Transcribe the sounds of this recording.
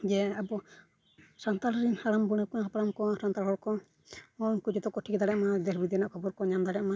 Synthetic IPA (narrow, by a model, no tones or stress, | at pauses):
d͡ʒɛabɔ | sant̪alɾinhaɽambuɽ̃ɛkɔaɦapaɾamkɔsant̪alɦɔɾkɔ | ɔnkud͡ʒɔt̪ɔkɔʈʰikd̪aɽɛʔmad̪ɛsbid̪iɛnaʔkʰɔbɔɾkɔɲamd̪aɽɛʔma